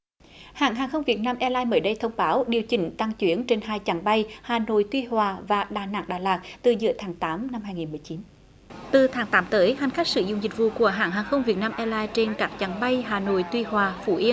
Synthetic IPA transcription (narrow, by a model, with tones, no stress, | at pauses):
ha̰ː˧˩ŋɦaː˨˩ŋxə˧wŋ͡mvi˨˩ət̚naː˧mʔɛ˧laː˧jməː˨˦jɗə˧jt̪ʰə˧wŋ͡mɓaː˨˦wɗi˨˩əwt͡ɕï˨˦ŋ̟t̪a˧ŋt͡ɕwi˨˦ənt͡ɕe˧nhaː˧jt͡ɕa˨˦ŋɓa˧jhaː˨˩no̰˧˨jt̪wi˧hwaː˨˩vaː˨˩ɗaː˨˩na̰ː˧˥ŋɗaː˨˩laː˨˩t̚t̪ɨ˨˩zɨ̰˧˩ət̪ʰaː˨˦ŋt̪aː˨˦mna˧mhɦaː˧jŋi˨˩nmɨ˨˩jt͡ɕi˨˦n | t̪ɨ˨˩t̪ʰaː˨˦ŋt̪aː˨˦mt̪əː˨˦jha˨˩jŋ̟xa˦˥k̚sɨ̰˧˩zʊ̰˧˨ŋ͡mzï˨˩k̟̚vṵ˧˨ku˧˩əɦa̰ː˧˩ŋɦaː˨˩ŋxə˧wŋ͡mvi˨˩ət̚naː˧mʔɛ˧laː˧jt͡ɕe˧nkaː˦˥k̚t͡ɕa˨˦ŋɓa˧jɦaː˨˩no̰˧˨jt̪wi˧hwaː˨˩fṵ˧˩ʔi˧ə